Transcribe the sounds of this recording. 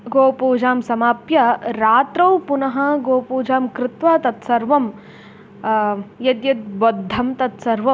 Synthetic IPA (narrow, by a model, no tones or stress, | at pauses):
ɡoːpuːd͡ʒaːmsɐmaːpjɐɾaːt̪ɾɐwpunɐɦɐɡoːpuːd͡ʒaːmkɾɪt̪ʋaːt̪ɐt̪sɐɾʋɐm | jɐt̪jɐt̪̚bod̪ʱːɐmt̪ɐt̪sɐɾʋɐ